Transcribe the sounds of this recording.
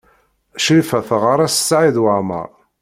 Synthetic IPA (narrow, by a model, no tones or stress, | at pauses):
ʃlfæfəʁaɾˤasə̥sːʕiðwəmə̰ʁ